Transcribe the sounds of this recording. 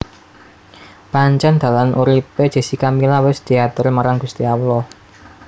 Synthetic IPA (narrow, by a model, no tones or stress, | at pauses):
paɲt͡ʃand̪̥ä̤lanʔuɾipe̥ʒ̥e̤sikamilawɪsd̪̥i̤at̪ʊrmaɾaŋɡ̥ṳst̪iawlɔ